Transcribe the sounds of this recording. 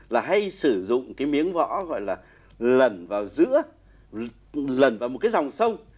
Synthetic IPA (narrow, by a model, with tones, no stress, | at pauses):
laː˨˩ɦa˧jsɨ˧˩zʊ̰˧˨ŋ͡mkaː˨˦jmi˨˦əŋvɔ̰˧˥ɣɔ̰˧˨jlaː˨˩ | lə˨˩nvaː˨˩wzɨ̰˧˥ə | lə˨˩nvaː˨˩wmo˨˩t̚kːaː˨˦jza˨˩wŋ͡msə˧w